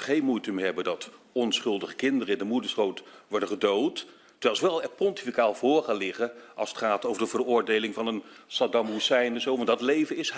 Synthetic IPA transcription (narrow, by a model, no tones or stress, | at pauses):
χejnmujtəmɦɛbəndɑtɔnsχɵlˠdəχə̥kɪndərəɪndəmudəɹsχowtʋɔɹdəχədowtː | əʋɛlˠsʋɛlˠɛpɔnti̥fikaːlˠvʊːɹχaːlɪχəʔɑlˠsətχaːtowvəɹdəvərʊːɹdejlɪŋvɑnənsɑdɑmusɛjnɛnzowʋɑndɑtlejvənɪs